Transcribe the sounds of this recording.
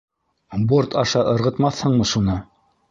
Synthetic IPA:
bort̪ʰɑʃɑʔɤ̆ɾʁɤ̆t̪mɑθhɤɴmɤʃunɤ

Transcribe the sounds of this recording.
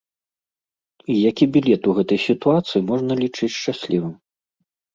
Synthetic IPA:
ijakʲibʲilʲɛt̪uɣɛt̪ɐjsʲit̪uat̪sɨjimɔʐnɐlʲit͡ʂɨt͡sʲʂt͡ʂasʲlʲivɨm

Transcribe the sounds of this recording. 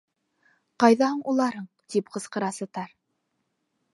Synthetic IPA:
qɑjðɑhɤɴulˠɑɾɤɴ | t̪ipqɤ̆sqɤ̆ɾɑsɤ̆t̪ɑɾ

